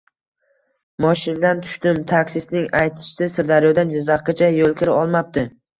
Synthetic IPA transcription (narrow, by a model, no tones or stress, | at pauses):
mɒʃɪnd̪ant̪ʰʊ̥ʃt̪ɪmt̪ʰakʲsɪsnɪŋajt̪ʰɪ̥ʃsɪsɪɾd̪aɾjɒd̪and͡ʒʊzaqkat͡ʃʰajolˠkʲʰɪɾɪɒlˠmap̚t̪ɪ